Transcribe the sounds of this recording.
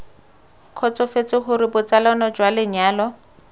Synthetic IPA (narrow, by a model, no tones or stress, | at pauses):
kʰɔt͡sɔfet͡sɪχʊɾɪbʊt͡salɔnɔd͡ʒwalɪɲaːlɔ